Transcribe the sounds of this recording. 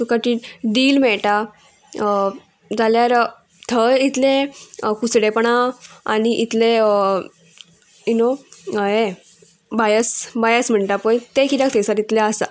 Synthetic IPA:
t̪ukaʈiɖiːlmɛɭʈa | d͡zaljaɾ | t̪ʰəit̪ʰlekusɽepəɳ̃aa̰niʔit̪le | junoɦe | bajəsbajəsm̤əɳʈapəjt̪ekʰit̪jak̚t̪ʰəsaɾit̪leasa̰

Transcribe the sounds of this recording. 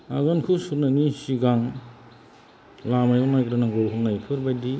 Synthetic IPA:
aɡɔnkʰusuɾnanisiɡaŋ | lamajunajkɾanaŋɡɔwɦunajkʰɯɾbajdi

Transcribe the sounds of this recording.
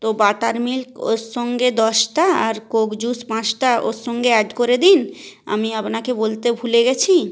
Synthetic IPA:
t̪obaʈaɾmilko̰ʃːoŋɡed̪ɔʃʈaaɾkoɡd͡ʑuspãt͡ɕʈaʔo̰ʃoŋɡeɛɖkoɾed̪ina̰miapnakebolt̪ebʱuleɡɛt͡ɕʰi

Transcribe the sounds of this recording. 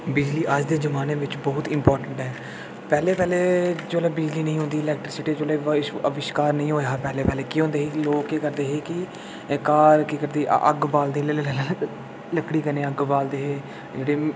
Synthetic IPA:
bɪd͡ʒliːʔəd͡ʒd̪eːzəmaːneːʋɪt͡ʃbɔːt̪ɪmpɔːɾʈəɳʈɦɛː | pɛːleːpɛːleːd͡ʒoːlɛːbɪd͡ʒliːnəĩːɦʊ̃ːnd̪iːɪlɛːk̚ʈɾɪsɪʈiːd͡ʒoːleːɪəʋɪʃkaːɾnəĩːɦoːeɦaːpɛːleːpɛːleːkiːɦõːnd̪eːɦiːloːkeːkəɾd̪eːɦeːkɪ | kaːɾkiːkəɾd̪ḛːʔə̰ɡbaːld̪eːle | ləkɽiːkənẽːəɡbaːld̪eːɦeː | d͡ʒeːɽeː

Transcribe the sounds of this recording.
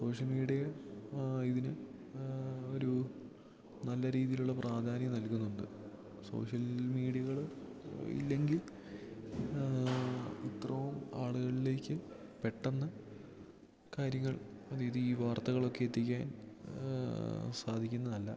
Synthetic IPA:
so̞ːʂjɐlmiːɽijɐ | iðinɨ | o̞ɾu | nɐlːɐɾiːðijiluɭːɐprʔaːd̪ʱaːnjɐmnɐlkunːuɳɖɨ̰ | so̞̰ːʂjɐlmiːɽijɐɣɐɭ | ḭlːe̞ŋɡil | it̪rɐʋumaːɭuɣɐɭile̞ːkʲːɨpe̞ʈːɐnːɐ | kaːɾjɐŋːɐɭɐðijðɨiːʋaːrt̪ɐɣɐɭo̞kːe̞et̪ːik̬ʲːaːn | saːd̪ʱikʲːunːɐnɐlːɐ̰

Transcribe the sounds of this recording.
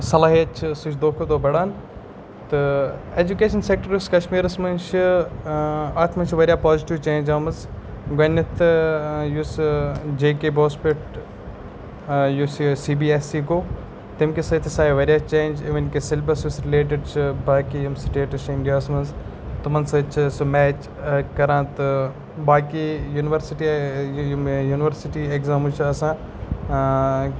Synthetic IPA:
sɐlaːɦiɐt͡ʃʰsut͡ʃʰd̪oːkʰod̪oːbɐɽaːn | t̪ɨeːd͡ʒukeːʃɐnsek̚ʈɐɾjuskɐʃmiːɾɐsmɐnt͡ʃʰɨ | at̪ʰmɐnt͡ʃʰʋɐɾjaːpaːziʈiʋt͡ʃeːnd͡ʒaːmɐz | ɡɐnːɐt̪ʰjusd͡ʒeːkeboːspeʈ | jussiːbiːesiːkoː | t̪imkesɐt̪ʰisaːeʋɐɾijat͡ʃẽːnd͡ʒiʋɐnkesɪlbɐsusɾɪleːʈ̬ɪɖt͡ʃʰbaːkijɐmsʈeːʈɐʃɪ̃ɳɖijaːsmɐnzt̪umɐnsɐt͡ʃʰsumɛːt͡ʃ | kɐɾãːt̪ | baːkijuːnɪʋɐɾsiʈi | juːnɪʋɐɾsɪʈiekzaːmt͡ʃʰuɐsãː

